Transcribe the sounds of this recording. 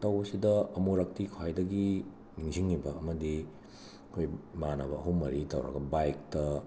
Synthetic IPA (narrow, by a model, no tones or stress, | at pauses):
tɐwɐsidɐɐmuɾɐk̚tikʰwajdɐɡi | niŋziŋːibɐːmɐdi | kʰojmanɐβɐɐɦumɐɾitɐwɾɐ̰ɡɐbajk̚tɐ